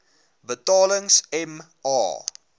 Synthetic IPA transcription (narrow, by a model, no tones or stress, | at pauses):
bətɑːləŋsɛm | ɑ̰ː